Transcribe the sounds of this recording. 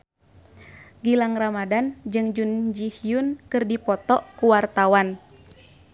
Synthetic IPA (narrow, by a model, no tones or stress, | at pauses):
ɡilaŋramadand͡ʒɨŋd͡ʒund͡ʒihijunkɨrdipɔt̪ɔʔkuwart̪awan